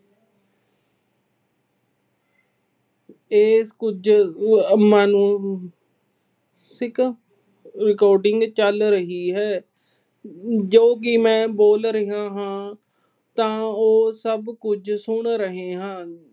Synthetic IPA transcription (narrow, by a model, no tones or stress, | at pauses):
eːskʊd͡ʒ | maːnũː | sɪk | ɾɪkoːɾɖɪŋɡt͡ʃəlɾəɦiːɦɛː | d͡ʒoːk̬imɛ̃ːboːlɾəɦãːɦãː | t̪ãːoːsəbkʊd͡ʒsʊɳɾəɦeːɦãː